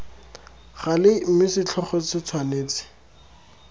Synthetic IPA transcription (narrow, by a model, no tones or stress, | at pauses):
χalɪm̩mɪsɪt͡ɬʰɔχɔsɪt͡sʰwaneːt͡sɪ̥